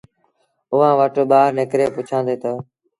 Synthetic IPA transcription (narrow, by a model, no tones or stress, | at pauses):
ʊʋãːʋəʈɓaːɾnekɾeːpʊt͡ʃʰãːnd̪eːt̪əː